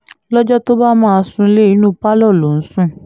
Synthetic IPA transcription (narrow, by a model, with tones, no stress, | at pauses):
lɔ˦d͡ʒɔ˦to˦ba˦mãː˦˧sũ˧˦le˦i˦nũ˦pa˦lɔ˦˨lo˨n̩˦sũ˦